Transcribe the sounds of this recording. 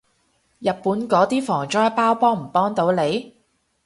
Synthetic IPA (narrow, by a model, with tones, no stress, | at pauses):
jɐ˨t̚pːuː˨˥nkɔː˨˥t̪iː˥fɔː˨˩ŋt͡ʃɔː˥jpaː˥wpɔː˥ŋm̩˨˩pɔː˥ŋt̪o˨˧˥wle˨˧j